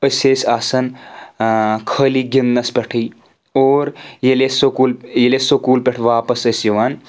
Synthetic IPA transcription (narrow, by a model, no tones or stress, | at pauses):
əsʲesʲaːsɐn | kʰəːliɡʲinːɐspʲɐʈʰij | oːɾjelesokuːljelesokuːlpʲeʈʰʋaːpɐsɐsjɐʋaːn